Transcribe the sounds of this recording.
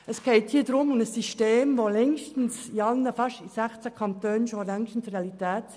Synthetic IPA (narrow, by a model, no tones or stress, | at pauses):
əskɛɪthiːdɾʊmʊməsːiʃteːmʋolɛŋʃtn̩siɑlnːəfɑʃisæχt͡sækʰɑnt̪øːnʃolɛŋʃn̩sɾeɑlit̪ɛːt